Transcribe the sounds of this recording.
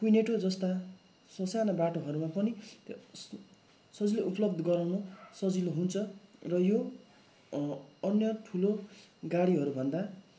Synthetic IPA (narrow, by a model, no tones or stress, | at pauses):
kujneʈod͡zʌst̪a | sʌsanʌbaʈoɦʌɾumapʌnit̪ | sʌd͡zileʔuplʌbd̪ʱʌɡʌɾawnosʌd͡ziloɦunt͡sʰʌrʌjo | ʌnjʌʈʰuloɡaɽiɦʌɾubʱʌnd̪a